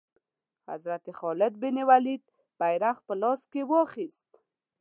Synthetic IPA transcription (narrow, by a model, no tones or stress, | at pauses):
ha̰zɾat̪exɔlɪd̪̚bɪnewalid̪̚ | b̥ajɾaxpəlɑskewɑχist̪